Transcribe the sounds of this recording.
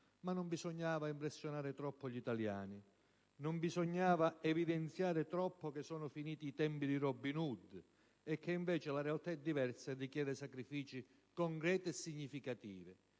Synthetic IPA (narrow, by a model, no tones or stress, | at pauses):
manːʊmbisoɲːaːvaimpɾɛsːjonaːɾɪt̪ɾɔpːoʎit̪alja̰ːni | nʊmbizɔɲːaːvaɛvid̪ɛnt̪sjaːɾɪt̪ɾɔpːokesːɔːnʊfiniːt̪iːt̪ɛmpid̪irɔbːinud̪ | ɛkːeiɱvɛːt͡ʃɪlarealt̪aɛd̪ːivɛrsadikjɛːd̪ɪsakɾifiːt͡ʃi | kɔŋkɾɛːt̪ɪɛsːiɲːifikat̪ḭːvɪ